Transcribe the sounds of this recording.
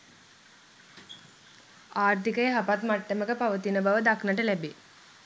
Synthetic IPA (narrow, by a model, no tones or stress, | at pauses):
aːrt̪ikəjəɦapat̪maʈːəməkəpaʋət̪inəbaʋəd̪aknəʈəlæbe